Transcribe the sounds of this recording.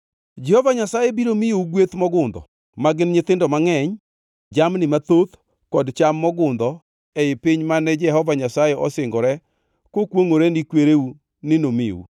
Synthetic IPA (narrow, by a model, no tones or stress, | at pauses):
d͡ʒɛhɔvaɲasajɛbiɾomɪuɡwet̪mɔɡʊnd̪ɔ̰ | maɡɪnɲɪt̪ɪndɔmaŋɛɲ | d͡ʒamnɪmat̪ot̪ | kɔdt͡ʃamːɔɡʊnd̪ɔ | ɛɪpɪɲmanɛd͡ʒɛɦɔvaɲasajɛʔɔ̰sɪŋɡɔɾɛ | kokwoŋoɾenɪkweɾeu | nɪnomɪ̰ṵ